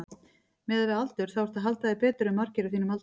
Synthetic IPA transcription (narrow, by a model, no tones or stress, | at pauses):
mɛːðavɪðalt̪ʏɾ̥θawvaɾ̥t̪aɦalt̪aðɪpɛːt̪ʏɾʏmːaɾ̥cɪɾɪθinʏmalt̪